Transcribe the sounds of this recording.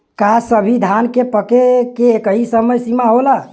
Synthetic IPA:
kasəbʱid̪ʱankepəkekeːkəɦisəməjsimaɦola

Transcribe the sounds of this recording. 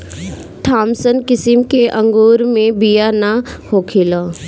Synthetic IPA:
ʈ̪ʰaːmsənkɪsɪmkeʔə̃ŋɡoːɾmẽbijanahoːkʰɪlaː

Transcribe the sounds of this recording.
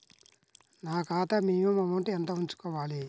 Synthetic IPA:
naːkaːt̪ɐmiːjumɐmɐɳʈiɐnt̪ɐuɲt͡ʃu̥kɔːʋaːli

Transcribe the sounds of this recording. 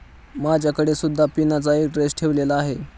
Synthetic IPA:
mad͡ʑʱjakəɽesud̪ʱːapinat͡saek̚ʈɾesʈʰeʋlelaːɦe

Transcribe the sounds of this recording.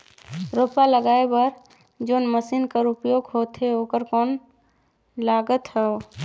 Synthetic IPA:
ɾoːpaləɡaːebəɾ | d͡ʒoːnməsiːnkəɾʊpjoːɡɦoːt̪ɦeoːkəɾkɔːn | laːɡət̪ɦɛo

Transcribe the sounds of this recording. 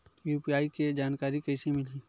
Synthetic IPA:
juːpiaːiked͡ʒaːnkaːɾikɐɪsimɪliː

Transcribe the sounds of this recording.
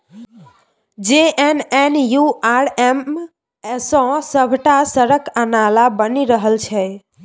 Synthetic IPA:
d͡ʒeʔenenjuaɾem | esɔ̃səbʱʈasəɾəkənalabəniɾəɦəlt͡ʃʰɛ

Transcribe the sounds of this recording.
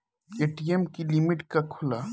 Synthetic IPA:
keːʈijemkilimɪʈkakʰʊlaː

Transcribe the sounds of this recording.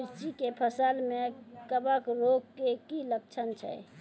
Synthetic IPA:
ɾt͡ʃikepʰəsəlmekəbəkɾoɡkːekilək̚t͡ʃʰənt͡ʃʰə̰j

